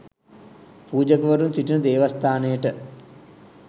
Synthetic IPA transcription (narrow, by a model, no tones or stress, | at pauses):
puːd͡ʒɐkɐʋɐɾunsiʈinɐd̪eːʋɐst̪ʰaːnejəʈə